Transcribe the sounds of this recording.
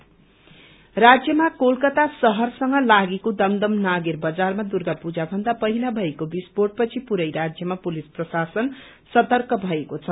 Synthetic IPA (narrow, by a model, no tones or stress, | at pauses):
rad͡zjʌmakolkʌt̪asʌɦʌrsʌŋɡʌlaɡekod̪ʌmd̪ʌmnaɡerbʌd͡zarmad̪urɡapud͡zabʱʌnd̪apʌɦilabʱʌekobisporʈ̚pʌt͡sʰipuɾʌjɾad͡zjʌmapulisprʌsasʌn | sʌt̪ʌrkʌbʱʌekot͡sʰʌ